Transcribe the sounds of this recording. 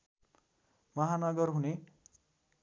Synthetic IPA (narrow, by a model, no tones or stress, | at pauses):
mʌɦanʌɡʌrɦune